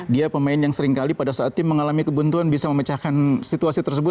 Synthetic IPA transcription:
diapəmaɪnjaŋsəɾiŋkalipadasaʔːt̪ːɪmːəŋalamikəbunt̪uanbisaməmət͡ʃakansit̪uasit̪ərsəbʊt̪

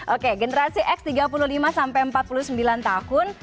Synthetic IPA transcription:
ʔokeɡənəɾasiʔɛkst̪iɡap̬ululimasampajəmpat̪̚pulusəmbilant̪ahʊn

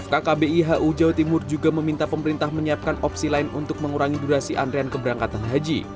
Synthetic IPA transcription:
fkakabeiɦaʔud͡ʒawt̪imʊrd͡ʒuɡaməmint̪apəməɾint̪ahməɲiap̚kanɔpsilaɪnunt̪ʊk̚məŋuɾaŋiduɾasiʔa̰ndɾeankəbəɾaŋkat̪anɦad͡ʒḭ

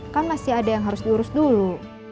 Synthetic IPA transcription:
kanmasiadajaŋɦaɾʊsdiuɾʊsdulu

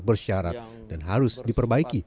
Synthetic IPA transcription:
bərʃaɾat̪̚ | d̥anɦaɾʊsdipərbaiki

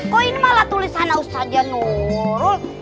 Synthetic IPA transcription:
kɔinmalat̪ulisanaust̪ad͡ʒanuɾu

